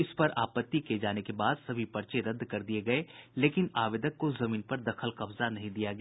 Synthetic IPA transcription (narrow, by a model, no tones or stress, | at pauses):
ɪspɐɾaːpət̪ːiked͡ʒaːnekebaːd̪sɐbʱipɐɾt͡ʃeɾɐd̪ːkɐɾd̪ieɡɐeleːkɪnaːʋɪd̪əkːozɐmĩːnpɐɾd̪ɐkʰəlqɐbzanɐɦĩd̪ijaɡɐ